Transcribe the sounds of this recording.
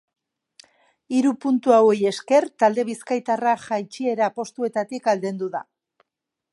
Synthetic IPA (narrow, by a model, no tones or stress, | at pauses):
iɾupunt̪uaweje̞ske̞rt̪ald̪e̞βiskajt̪araʝajt͡ʃie̞ɾapo̞st̪ue̞t̪at̪ikald̪e̞nd̪uða̰